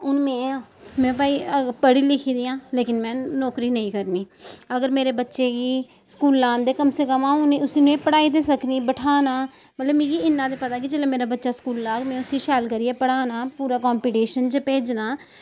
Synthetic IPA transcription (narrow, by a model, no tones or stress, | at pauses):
ʊnmɛ̃ːmɛ̃ːpaːiːəpəɽiːlɪkʰiːd̪iːãːleːkɪnmɛ̃ːnɔːkɾiːnəĩːkəɾniːəɡəɾmeːɾeːbətːʃeːɡiː | skuːlːãːnd̪eːkəmseːkəmãːʊnẽːʊsiːnũeːpəɽaːiːd̪eːsəkniːbəʈʰaːnaː | mət̪ləbmĩːɡiːɪnːãːd̪eːpət̪aːk̬ɪd͡ʒeːleːmeːɾaːbətːʃaːskuːlːaːɡmɛ̃ːʊsiːʃɛːlkəɾiːɛːpəɽaːnaːpuːɾaːkɔːmpiːʈeːʃənd͡ʒəpeːd͡ʒnaː